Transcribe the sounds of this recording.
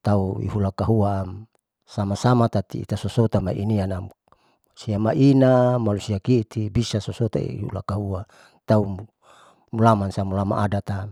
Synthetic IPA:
t̪auḭɦulakaɦua | samasamat̪at̪ḭḭt̪asosot̪ama̰ʔḭniana | siamaʔinamalusiakit̪ʰibisasɔsɔt̪a̰ḭihṵlakaɦua | t̪au | mulamansamulama̰ʔadat̪a

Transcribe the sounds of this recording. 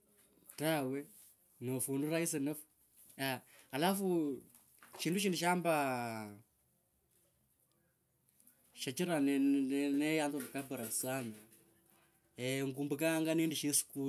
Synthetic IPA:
tawe | nofunduɾais̬enafu̥ | aalafu | ʃiːnduʃ̬iːnduʃ̬amba | ʃat͡ʃiɾanɛnɛjantonakabuɾasama | eŋɡumbukaŋɡanenduʃisu̥ku

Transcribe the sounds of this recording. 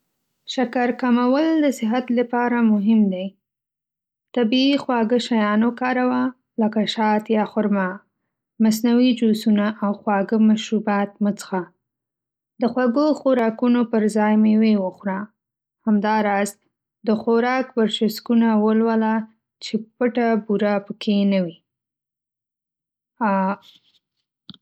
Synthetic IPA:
ʃakaɾkamawəld̪əsɪɦat̪lapɑɾamʊɦɪmd̪aj | t̪abiːxwɑɡəʃajɑnokɑɾawa | ləkaʃɑt̪jɑxʊɾma | mas̬nawid͡ʒosunaʔːwxwɑɡəmaʃɾubɑt̪̚mət͡sə̥xa | d̪əxwaɡoxoɾɑkunopəɾzɑjmewewəxɾa | hamd̪ɑɾɑz | d̪əxoɾɑkpəɾʃaskunawəlwəla | t͡ʃepəʈabuɾapəkʰenawi

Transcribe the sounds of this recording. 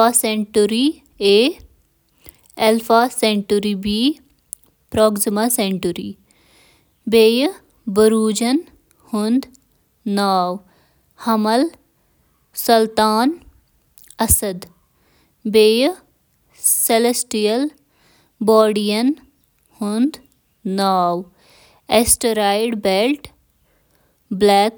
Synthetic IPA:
aːseɳʈuɾi | eː | elfaːseɳʈuɾibiː | pɾoːɡzmaseɳʈuɾḭ | beːj | bəɾuːd͡ʒɐn | hʊnd̪ | naːw | hɐmɐl | sɐlt̪aːn | ɐsɐd̪ | beːj | selesʈijɐl | bɔːɖijɐn | hʊnd̪ | naːw | esʈəɾaːjɖbelʈ | blɛːk

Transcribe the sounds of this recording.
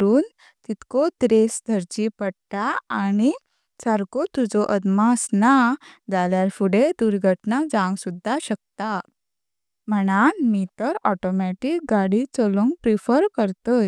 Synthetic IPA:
uːn | t̪it̪kɔt̪ɾesd̪ʱəɾt͡ɕipəɽt̪aañi | saɾkot̪ud͡zɔʔəd̪masnad͡zaljaɾfuɽed̪uɾɡʱəʈnad͡zãŋɡsud̪ʱːaɕək̚t̪a | m̤əɽ̃anmit̪əɾɔʈɔmɛʈik̚ɡaɽit͡sɔlɔŋɡpɾifəɾkəɾt̪əj

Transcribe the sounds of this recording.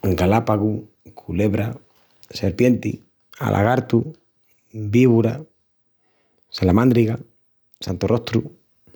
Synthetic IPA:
ɡalapaɣu | kʰuleβɾa | seɾpje̞nt̪ḭ | a̰lʔa̰ɣaɾt̪u | biβuɾa | salamãnd̪ɾiɣa | sant̪orʔo̞ht̪ɾu

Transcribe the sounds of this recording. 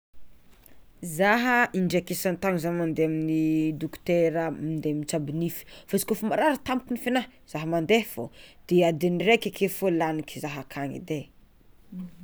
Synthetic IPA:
zaɦəʔiɳɖ͡ʐakesant̪aŋizanmand̪eaminid̪ukt̪eɾəmind̪emit͡sabinifi̥fazi̥kofumaɾaɾət̪amukunifinaz̥aɦəmand̪efod̪̥ead̪enirekʲakefolaniki̥zaɦakʰaŋḭd̪e

